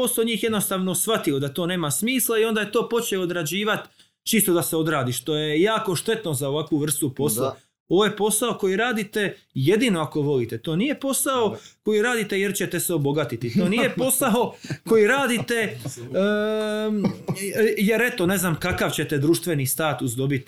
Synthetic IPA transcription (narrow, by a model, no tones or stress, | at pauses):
o̞soɲiːxjd̪no̞st̪aːʋnosʋat̪io̞d̪at̪o̞ːne̞ːmasmiːslˠaio̞nd̪ajet̪o̞ːpo̞t͡ɕeood̪ɾad͡ʑiːʋat̪ | t͡ʃiːst̪od̪aseod̪ɾaːd̪iʃt̪o̞jejaːko̞ʃt̪e̞t̪nozaoʋakʋuʋr̩st̪upo̞sla | oʋoje̞po̞saoko̞jiɾaːd̪it̪e̞je̞d̪ino̞ako̞ʋo̞lit̪et̪o̞ːnije̞po̞sao̞ko̞jiɾaːd̪it̪ejeɾt͡ɕet̪eseobo̞ɡat̪it̪it̪o̞ːnijepo̞sao̞ko̞jiɾaːd̪it̪e | jeɾe̞t̪o̞ne̞znamkakaʋt͡ɕet̪e̞d̪ɾuːʃt̪ʋe̞niːst̪aːt̪usd̪o̞bit̪